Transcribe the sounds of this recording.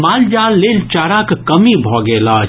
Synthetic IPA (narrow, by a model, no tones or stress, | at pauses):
maːld͡ʒaːlːeːlt͡ʃaːɾakkɐmibʱɔːɡeːla